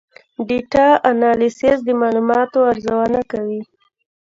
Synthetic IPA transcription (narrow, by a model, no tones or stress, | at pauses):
ɖiʈɑʔanɑlisɪsd̪əmɑlumɑt̪oaɾzawanakawi